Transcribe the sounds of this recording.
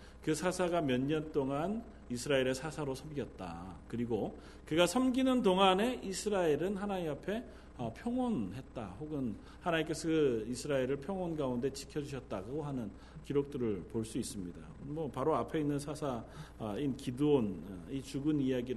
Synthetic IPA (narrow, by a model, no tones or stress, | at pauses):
kɯsʰasʰaɡamjʌɲːʌnt͈oŋan | isʰɯɾaeɾe̞sʰasʰaɾosʰʌmɡijʌt̚t͈a̰kɯɾiɡo | kɯɡasʰʌmɡinɯntoŋane̞ʔisʰɯɾaiɾɯnɦanaiapʰe̞ | ʌpʰjʌŋonɦe̞t̚t͈a̰hoɡɯn | hanaik͈esʰɯkɯisʰɯɾaeɾɯɭpʰjʌŋonɡaunde̞t͡ɕi̥kʰjʌd͡ʑuɕʰʌt̚t͈aɡoɦanɯn | kiɾok̚t͈ɯɾɯɭpoɭs͈uis͈ɯmɲida̰mʌpaɾoapʰe̞inːɯnsʰasʰainkiduonit͡ɕuɡɯnijaɡi